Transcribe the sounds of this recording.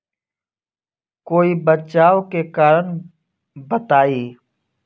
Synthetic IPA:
koːiːbət͡ʃaːʋkeːkaːɾən | bət̪aːiː

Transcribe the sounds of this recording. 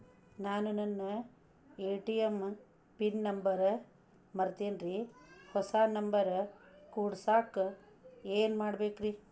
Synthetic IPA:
naːnunɐnːɐ | eːʈijɐm | pinnɐmbɐɾ | mɐɾt̪eːnɾihɔsaːnɐmbɐɾkuːɽsaːk | eːnmaːɽbeːkɾi

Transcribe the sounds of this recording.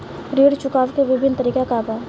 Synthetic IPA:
ɾiːɽt͡ʃʊkaːʋkeʋɪbʱɪnt̪əɾiːkakaːbaː

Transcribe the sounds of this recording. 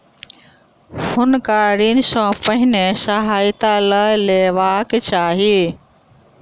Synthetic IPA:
hʊnkaɾinsɔ̃pəɦɪnesəɦaːjt̪aləleʋakt͡ʃaːɦi

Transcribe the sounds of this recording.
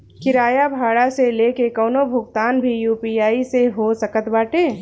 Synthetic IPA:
kɪɾaːjabʱaːɽaseleːkekɔːnobʱʊɡt̪aːnbʱijuːpiːaːiseɦosəkət̪baːʈeː

